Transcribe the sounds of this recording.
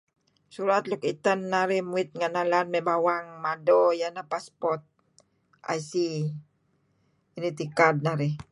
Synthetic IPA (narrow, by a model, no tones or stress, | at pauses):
suɾat̪̚lukit̪anːaɾihmuɪt̪̚ŋanalanmɛbawaŋmadɔjanahpaspɔrt̪̚ | ʔa̰jsi | init̪ikad̚naɾi